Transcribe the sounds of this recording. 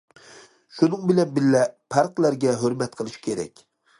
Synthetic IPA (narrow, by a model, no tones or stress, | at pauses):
ʃunɨŋbɪlɛnbɪlːɛpʰɑɾqlˠæɾɡʲɛɦɵɾmɛt̪qʰəlˠɨʃi̥kʲʰeɾɛ̰kʲ